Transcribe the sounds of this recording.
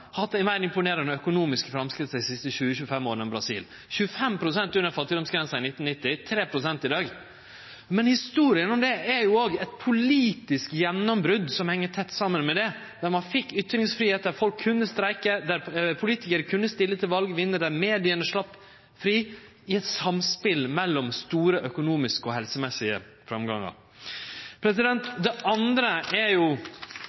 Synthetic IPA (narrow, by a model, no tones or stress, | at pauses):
hɑt̪ːɪmæɪɾɪmpʊneːɾənɔœkʊnuːmɪskfɾɑmskɾɪt̪sɛɪd̪ɪsɪst̪əçʉːəçʉːəfɛmːoːɾnɔbɾɑsḭːl | çʉːəfɛmpʰɾʊsɛnt̪ʉnəɾfɑt̪ːɪd̪ɔmsɡɾɛnsɑɪnɪt̪n̩nɪt̪ːɪt̪ʰɾeːpʰɾʊsɛnt̪ɪd̪ɑːɡ | mɛnhɪst̪uːɾɪənɔmd̪ɛʔæɾjʊoːɡɛt̪pʰʊliːt̪ɪskjɛnːɔmbɾʉd̪sɔmhɛŋːəʈʰɛt̪ːsɑmːənmɛd̪ɛ | d̪æɾmɑnfɪkːʏt̪ːɾɪŋsfɾiːheːt̪̚d̪æɾfɔlkʰːʉnːəst̪ɾæɪkəd̪æɾpʰʊliːt̪ɪkəɾkʰʉnːəst̪ɪlːət̪ʰɪlʋɑlɡʋɪnːəd̪æɾmeːd̪ɪənəʂɭɑpː | fɾiː | ɪɛt̪sɑmspɪlmɛlːɔmst̪uːɾəʔœkʊnuːmɪskəɔɦɛlsəmɛsɪə̰ | fɾɑmɡɑ̰ŋɑ̰ɾ | pʰɾɛsɪd̪ɛnt̪d̪ɛʔɑnd̪ɾəæɾjʊ